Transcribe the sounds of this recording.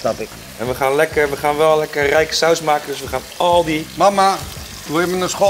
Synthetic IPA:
snapɪk | ʔɛnʋəχaːnlɛkəʋəχaːnʋɛlˠlɛkərrɛjkə̥sawsmaːkəndʏsʋəχaːnɔlˠdimama | tuɪmənəsχo

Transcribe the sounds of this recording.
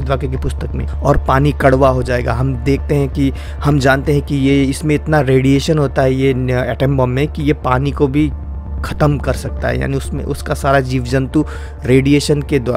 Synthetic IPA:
d̪waːkek̬ipʊst̪əkmḛ̃ɔːɾpaːnikɐɽʋaɦod͡ʒaːeːɡa̰ɦɐmd̪eːk̚ʰt̪eɦɛ̃ki | hɐmd͡ʒaːnt̪eɦɛ̃kijeɪsmẽɪt̪naɾeːɽieːʃənɦoːt̪aɦɛjeɛːʈɛ̃mbɔ̃mːẽkijepaːnikobʱi | xʰɐt̪əmkɐɾsɐk̚t̪a̰ɦɛ̰ja̰ːniʊsmḛ̃ʔʊskasaːɾad͡ʒiːʋd͡ʒə̃nt̪u | ɾeːɖijeːʃənked̪aː

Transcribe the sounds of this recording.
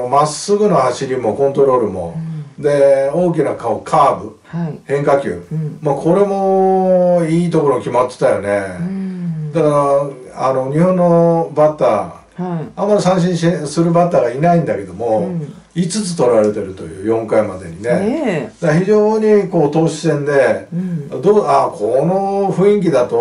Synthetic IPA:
masɨɡɯ̟nohaɕiɾʲimo̞kõ̞nt̪o̞ɾo̞ːɾɯmo̞d̪e̞o̞ːk̬ʲinakaokʰaːbɯ | hẽ̞ŋkakʲɨ̰ːmakʰo̞ɾe̞mo̞ | iːt̪o̞koɾo̞kʲimat̪ːe̥t̪ajone̞ | d̪akaɾa | ano̞ɲ̟ihõ̞nːo̞bat̪ːa̰ː | ãmːaɾʲisãɰ̃ɕ̬ĩɕesɨɾɯ̟bat̪ːaːɡainaĩnd̪ake̞d̪o̞mo̞ | it͡sɨt͡sɨ̥t̪o̞ɾaɾe̞t̪e̞ɾɯ̟t̪o̞̰jɯ̟ːjõ̞ŋkaimad̪e̞̰ɲ̟ined̪̥açiʑo̞ːɲ̟iko̞ːt̪o̞ːɕi̥sẽ̞nd̪e̞ | d̪oakʰo̞no̞ɸɯ̟̃ĩŋk̬ʲid̪at̪o̞

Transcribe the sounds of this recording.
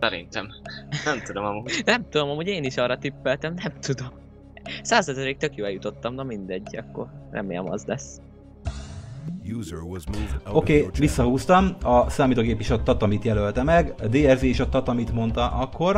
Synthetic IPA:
sɛɾḭnt̪ɛmnɛmt̪ud̪o̞mɒmunɛmt̪ud̪o̞mɒmuɟeːniʃɒrɒt̪ipːɛlt̪ɛmnɛmt̪ud̪om | saːzɒzɛɾeːk̚t̪økjoːɛjut̪ot̪ːɒmnɒmind̪ɛɟːɒ̰kːo̞̰rrɛ̰mḛːlɛ̰mɒ̰zlɛs | juzə˞wɒzmuvo̞keːʋisːɒɦuːst̪ɒmɒsaːmiːt̪oːɡeːpiʃot̪ːɒt̪ɒmit̪jɛlølt̪ɛmɛɡd̪eːɛzeːiʃot̪ːɒt̪ɒmit̪mo̞nt̪ɒʔɒkʰːo̞r

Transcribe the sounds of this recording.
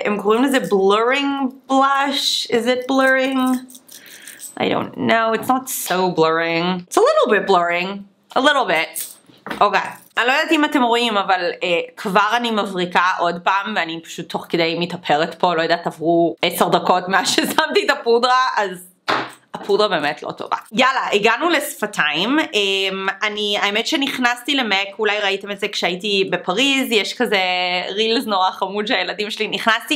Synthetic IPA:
ʔemkoʁimlezebløɹɪ̃ŋb̥laʃɪzɪt̚bløʁɪ̃ŋ | ʔa̰jdõ̰ntnowitsnatsobløɹɪ̃ŋtselɪɾl̩ˠbɪt̚bløɹɪ̃ŋ | ʔalɪɾl̩ˠbɪt | ʔokejanilojod̪atimatemʁoʔimavalekʰvaʁanimavʁikaʔo̞dpaːmveanipḁʃut̪ʰːo̞χked̪e̞jmetapʰeʁetpo̞lojad̪atavʁueseʁdako̞tmeaʃezamtietapudʁaaz | apudʁabe̞ːmetlo̰to̞̰va̰jalaʔiɡanulesfatʰaimemaniaemetʃeniχnastilemekulajʁaite̞metzekʃeaitibepaʁizjeʃkazeʁilznoʁaχamudʃeajeladimʃeliniχnasti

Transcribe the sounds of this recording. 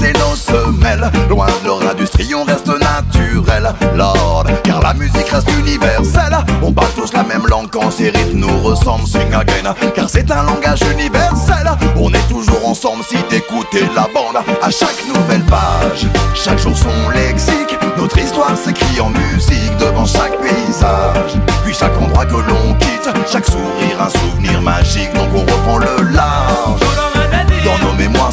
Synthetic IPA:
sɛnosəmɛlːlwɛ̃d̪əlœʁɛ̃d̪yst̪χiɔ̃ʁɛst̪ənat̪yʁɛlːɔd̪kaʁla̰myzikʁɛst̪ynivɛʁsɛlɔ̃paʁlt̪uslamɛmlɑ̃ɡkɑ̃seʁit̪noʁəsɑ̃blsiŋaɡɛnkaʁsɛt̪ɛ̃lɑ̃ɡaʒynivɛʁsɛlɔ̃nɛt̪uʒuʁɑ̃sɑ̃blsid̪ekut̪elabɑ̃d̪aʃaknuvɛlpaʒʃakʒuʁsɔ̃lɛksiknɔt̪χist̪waʁsɛkliɑ̃myzikd̪əvɑ̃ʃak̚peizaʒpɥiʃakɑ̃d̪ʁwakəlɔ̃kʲit̪ʃaksuʁiʁɛ̃suvniʁmaʒik̚d̪ɑ̃kɔ̃ʁəpχɑ̃ləlaʁʒ | d̪ɑ̃nomemwa

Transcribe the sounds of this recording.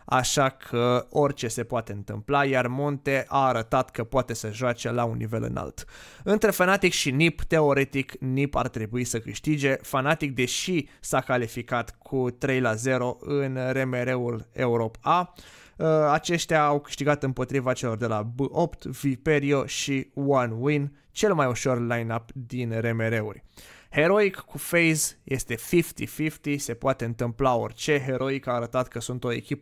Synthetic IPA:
a̰ʃakʰəo̞rʲt͡ʃe̞se̞poat̪e̞ɨnt̪ɨ̰mplajarmo̞nt̪e̞ʔaːɾət̪at̪kəpoat̪e̞səʒoat͡ʃelaunːḭve̞lɨ̰na̰lt̪ɨnt̪ɾe̞fanat̪ikʃinipt̪e̞o̞ɾe̞t̪iknipa̰rt̪ɾe̞buisəkɨʃt̪id͡ʒe̞fanat̪ik̚d̪e̞ʃisakalifikat̪kʰut̪ɾe̞jlaze̞ɾo̞ʔɨnre̞me̞ɾe̞ule̞uɾo̞pa | əat͡ʃe̞ʃt̪eaːwkɨ̥ʃt̪iɡat̪ɨmpo̞t̪ɾivat͡ʃe̞lo̞rd̪e̞labəʔo̞pt̪vipe̞ɾio̞ʃiwanwin | t͡ʃe̞lmajuʃo̞rlajnapd̪inre̞me̞ɾe̞ṵrʲhe̞ɾo̞ikːufejzje̞st̪e̞fift̪ifift̪ise̞poat̪e̞ɨnt̪ɨmplao̞̰rʲt͡ʃe̞ɦe̞ɾʔo̞ikaːɾət̪at̪kəsunt̪o̞e̞̰kʲip

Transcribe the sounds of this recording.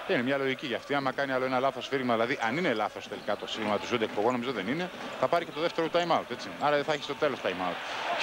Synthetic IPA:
ðeninemɲɐlo̞ʝiciʝɐft̪iɐmmɐkɐniɐlo̞e̞nɐlɐθo̞sfiɾiɣmɐðilɐðiʔɐnine̞lɐθo̞st̪e̞likɐt̪o̞siɾiɣmɐt̪usud̪ek̚poɣo̞no̞mizoðe̞nine̞θɐpɐɾice̞t̪o̞ðeft̪e̞ɾot̪ɐjmɐut̪et͡siɐɾɐðeθɐeçist̪o̞t̪e̞lot̪ɐjmɐut̪

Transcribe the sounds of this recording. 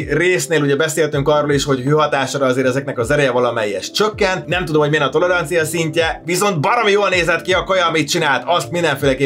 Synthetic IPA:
reːsneːluɟɛbɛseːlt̪yŋkɒrːoːliʃho̞ɟɦøːɦɒt̪aːʃoɾɒɒzeːɾɛzɛknɛkɒzɛɾɛjɛvɒlɒmɛjiɛ̰ʃt͡ʃø̞kːɛnt̪nɛmt̪ud̪o̞mhoɟmiɛnɒt̪o̞lɛɾɒnt̪sijɒsiɲcɛviso̞nt̪bɒɾɒmijoːlneːzɛt̪kiɒkojɒmit̪t͡ʃinaːlt̪ɒst̪mind̪ɛɱfeːlɛkeː

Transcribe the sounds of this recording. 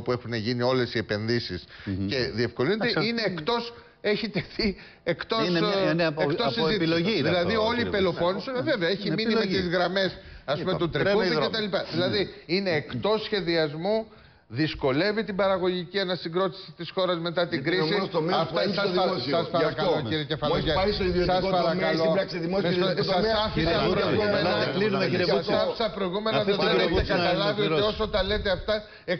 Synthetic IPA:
pue̞xuneʝinio̞le̞sie̞pe̞nðisisce̞ðie̞fko̞linet̪eine̞ːkt̪o̞s | e̞çit̪e̞θi | ekt̪o̞sek̪osit̪iloðilɐðio̞lipelo̞fo̞nusove̞veɐeçiminnimet̪izɣɾɐme̞sɐspumet̪ut̪ɾekuðicet̪ɐlipɐðilɐðiine̞ːkt̪o̞sçe̞ðiɐzmu | ðisko̞le̞vit̪ibɐɾɐɣo̞ʝicienɐsiɡɾo̞t̪i̥si̥t̪isxo̞ɾɐzme̞t̪ɐt̪iɡɾisiɐfɐsɐsɐspɐɾɐkɐlociɾiecefɐloesiðiosɐspɐɾɐɐlooɐsiðimomesoɐsɐfisɐpɾoɣumenɐkliɐsɐfi̥sɐpɾo̞iɣume̞nnɐðeeet̪ɐkɐt̪ɐlɐvioiosot̪ɐle̞t̪e̞ɐft̪ɐ | e

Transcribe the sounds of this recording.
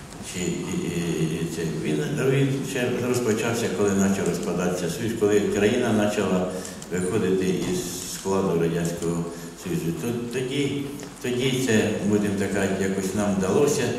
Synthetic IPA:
t͡ʃɪ | t̪sɛʋʲinʋʲint͡ʃɛrɔspɔt͡ʃɑwsʲɐkɔlˠɪnɑt͡ʃɐwrɔspɐd̪ɑt̪sʲɐsjuskɔlˠɪkɾɐjinɐnɑt͡ʃɐlˠɐ | ʋɪxɔd̪ɪt̪ɪʔizː | klˠɑd̪ʊɾɐdʲanʲsʲkɔɦɔ | sɔjuzʊt̪ɔt̪ɔdʲi | t̪ɔdʲit̪sɛbud̪ɪmt̪ɐkɑjakɔsʲnɑmd̪ɐlˠɔsʲɐ

